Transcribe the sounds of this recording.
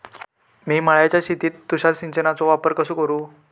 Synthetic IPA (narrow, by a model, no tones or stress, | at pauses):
miːmaɭajat͡ɕjaɕit̪iːt̪ːuɕaɾɕiɲt͡ɕənat͡soʋapəɾkəsuːkəɾuː